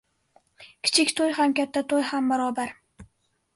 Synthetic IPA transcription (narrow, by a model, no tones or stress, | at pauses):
kʲʰɪ̥t͡ʃʰɪkʲt̪ʰojɦamkʲat̪ʰːat̪ʰojhambaɾɒbaɾ